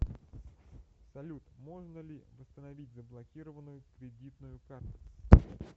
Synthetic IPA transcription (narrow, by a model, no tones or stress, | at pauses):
sɐlʲut̪mo̞ʐnəlʲɪvəst̪ənɐvʲitʲzəblˠɐkʲiɾəvənːʊjʊkɾʲɪdʲit̪nʊjʊkart̪ʊ̥